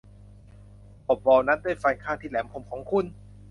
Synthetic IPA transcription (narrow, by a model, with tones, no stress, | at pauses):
ʔo˨˩p̚wɔː˧wna˦˥ndaː˥˩˨jfa˧jkʰaː˥˩t̪ʰiː˥˩lɛː˩˦mkʰo˧mkʰɔː˩˦ŋkʰu˧˩˨n